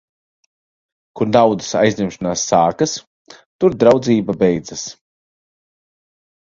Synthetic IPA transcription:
kuɾd̪awd̪ɨ̥sa̰jzd̪ʲimʃanaːsːaːkas | t̪uɾd̪ɾawd̪ziːbabɛjd̪zas

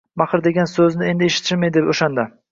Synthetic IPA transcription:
maχɨɾd̪e̞ɡʲansɵznɪe̞nd̪ɪeʃɪ̥t̪ʰɪmed̪epoʃand̪a

